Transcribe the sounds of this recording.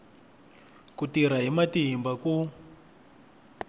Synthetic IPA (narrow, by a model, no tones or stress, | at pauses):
kutiɾ̤aɦimatiɦimbaku